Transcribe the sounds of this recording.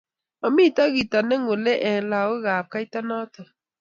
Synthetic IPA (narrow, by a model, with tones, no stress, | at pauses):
ɔ˨mi˦˨ta˦ɣi˨ta˨ne˦ŋo˨lɛ˦ʔɛ˨la˨wo˦ɣa˨p̚ka˦i˦ta˦nɔ˦tɔ˨